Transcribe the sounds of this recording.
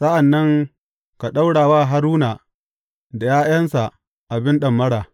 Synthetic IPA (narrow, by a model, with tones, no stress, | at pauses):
sa˦ʔa˨nːɐ˦ŋ | ka˨ɗa˦wɽaː˨waː˦˨ɦa˦ɾuː˦naː˨ | da˨jaː˦jɐ˦nsa˨ʔ | ʔa˨bɪ˦nɗɐ˨mːɐ˦ɽaː˨